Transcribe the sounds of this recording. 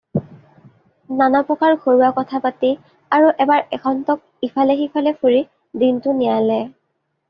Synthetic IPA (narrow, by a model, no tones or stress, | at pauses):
nanɔpɔkaɹxoɹuwakɔtʰapati | aɹuʔɛbaɹɛkʰɔntɔk̚ipʰalɛxipʰalɛfʰuɹi | dintʊnijalɛ